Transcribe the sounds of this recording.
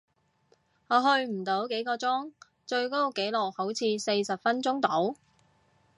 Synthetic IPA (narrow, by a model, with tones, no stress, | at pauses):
ŋɔː˨˧ɦɵ˧ɥm̩˨˩t̪o˨˥wke˨˥jkɔː˧t͡sɔː˥ŋ | t͡ʃɵ˧ɥko˥˨˧ke˨˥jlɔ˨˩k̚ho˨˥wt͡sʰiː˧se˧jsɐ˨p̚fɐ˥nt͡sʊ˥ŋt̪o˨˥w